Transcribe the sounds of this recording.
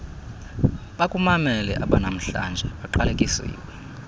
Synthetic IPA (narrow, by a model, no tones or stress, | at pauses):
ɓakʼumamɛlɛʔaɓanam̩ɬa̰nd͡ʒʱɛɓaǃalekʼisḭːwɛ